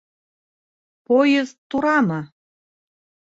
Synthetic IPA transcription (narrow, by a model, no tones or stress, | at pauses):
pojəzt̪ːuɾɑmɑ